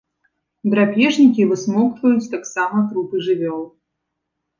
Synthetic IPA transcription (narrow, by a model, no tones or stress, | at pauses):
d̪ɾapʲɛʐnʲikʲivɨsmɔwt̪vɐjut͡sʲt̪aksamɐt̪ɾupɨʐɨvʲɔlˠ